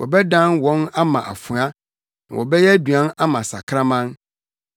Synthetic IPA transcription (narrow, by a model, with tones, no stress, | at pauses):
wʔɔ̰˨bɛ˦dã˦nwɔ̃˨˦na˦mã˨ʔa̰˨fʊ̃˨a˦ | nã̰˨wʔɔ̰˨bɛ˦jɛ˦du˨ã˦na˦mã˨sa̰˨kʰɾã˦mã˦n